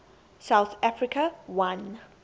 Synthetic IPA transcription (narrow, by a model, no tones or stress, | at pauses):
saʊθafɹikʰawãn